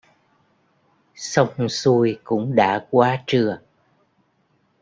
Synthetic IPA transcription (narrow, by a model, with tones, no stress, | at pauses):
sə˧wŋ͡msu˧jkʊ̰˧˥ŋ͡mɗa̰ː˧˥kwaː˧˦t͡ɕɨ˨˩ə